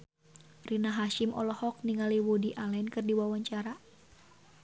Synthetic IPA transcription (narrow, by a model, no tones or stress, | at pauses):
rinaɦaʃɪmʔɔ̰lɔhɔk̚niŋaliwodiʔalɛnkɨrdiwawaɲt͡ʃaɾa